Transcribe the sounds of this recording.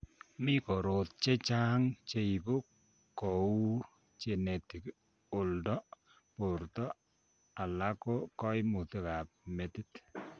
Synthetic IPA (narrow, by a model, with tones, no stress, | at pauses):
mɪ˦kɔ˨ɾo˨t̪̚t͡ʃe˦t͡ʃa˦ŋt͡ʃe˦i˨bo˦ | kɔ˨u˦ | t͡ʃe˨ne˨ti˨k | o˨ldɔ˦ | po˨ɾtɔ˦ | a˨la˦ko˦kɔ˦ɪ˦mu˨t̪e˦ka˨p̚me˨ti˦t